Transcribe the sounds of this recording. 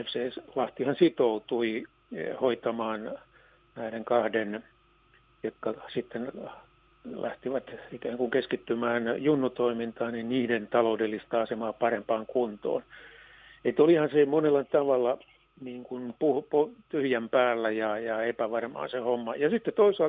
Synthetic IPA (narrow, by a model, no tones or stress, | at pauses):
efseːslɑht̪ihɑnsit̪out̪ui | hoit̪ɑmɑːn | næiɾeŋkɑhden | jot̪kːɑsit̪ːen | læ̰ht̪iʋæt̪ikæːŋkuŋkeskit̪ːymæːnjunːut̪oimint̪ɑːninniːdent̪ɑloudelːist̪ɑɑsemɑːpɑrempɑːŋkunt̪o̰ːn | et̪olihɑnsemonelːɑt̪ɑʋɑlːɑ | niːŋkunpuhpot̪yhjæmpæːlːæjɑjɑepæʋɑrmɑ̰ːnsehomːɑjɑsit̪ːet̪oisɑl